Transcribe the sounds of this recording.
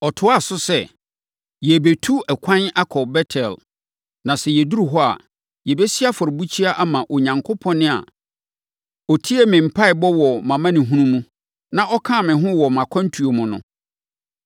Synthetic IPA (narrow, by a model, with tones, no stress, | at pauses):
ɔ˨tʰʊ˦a˦˨sʊ˦sɛ˦˨ | jɛ˨be˨tʰu˦ɛ˨kʷʰã˦na˦kʰɔ˨bɛ˦tʰɛ˨l | nã˨sɛ˨jɛ˨du˦ɾu˨ɦɔ˦a̰˨ | jɛ˨be˦si˦a˦fʊ˨ɾɪ˨bu˦t͡ɕʰi˦a˦ʔa˦mã˨ʔɔ˨ɲã˨ŋkʰʊ˦pʰɔ̃˦nːɪ̃˦a̰˨ | ɔ˨tʰi˦e˦mɪ̃˨m̩˨pʰa˦ɪ˨bɔ˦wɔ˨mã˨mã˦nɪ̃˨ɦũ˦nũ˦mũ˦ | nã˦ʔɔ˦kʰã˦˨mɪ̃˨ɦʊ̃˦wɔ˨mã˨kʷʰã˦n̩˦tʰu˨o˨mʊ̃˨nʊ̰̃˨